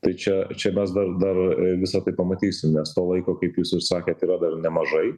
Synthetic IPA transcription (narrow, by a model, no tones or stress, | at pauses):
t̪ɐɪt͡ʃʲɛt͡ʃʲɛmʲɛsd̪ɐrd̪ɐrʋʲɪsɐt̪ɐɪpɐmɐt̪ʲiːsʲɪmnʲɛst̪oːlˠɐɪkoːkɐɪpjuːsɪssɑːkʲeːt̪iːɾɐd̪ɐrnʲɛmɐʒɐɪ